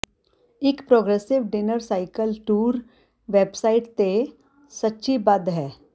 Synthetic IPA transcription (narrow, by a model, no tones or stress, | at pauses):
ɪkpɾoːɡɾesɪʋɖɪnəɾsaːɪkəlʈuːɾ | ʋeːbsaːɪʈt̪e | sɐtːʃibɐd̪ɦɛː